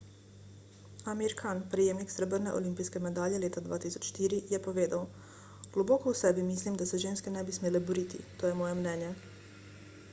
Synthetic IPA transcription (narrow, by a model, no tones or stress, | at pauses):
amiɾkʰanpɾɛjeːmniksɾɛbəɾnɛʔolimpijskɛmɛd̪aːʎjɛleːt̪ad̪ʋa̰ːt̪isɔ̥t͡ʃʃt̪iːɾijɛpoʋeːd̪aw | ɡ̥lɔboːkɔusɛbimislimd̪asɛʒeːnskɛnɛbismeːlɛbɔɾiːt̪ḭt̪oːjɛmɔːjɛmnɛːnjɛ